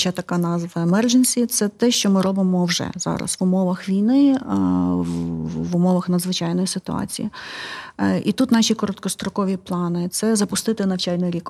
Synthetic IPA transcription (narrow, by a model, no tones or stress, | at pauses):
t͡ʃɐt̪ɐkɑnɑzʋɐemɛrʒenʲsʲit̪sɛt̪ɛʃt͡ʃɔmɪɾɔbɪmɔwʒɛ̰zɑ̰ɾɐ̰sʋʊmɔʋɐxʋʲijnɪ | ʋʊmɔʋɐxnɐd̪zʋɪt͡ʃɑjnɔjisɪt̪ʊɑ̰t͡sʲḭji | it̪ut̪nɑʃʲikɔɾɔt̪̚kɔst̪ɾɔkɔʋʲiplˠɑnɪt̪sɛzɐpʊst̪ɪt̪ɪnɐwt͡ʃɑlʲnɔɾʲik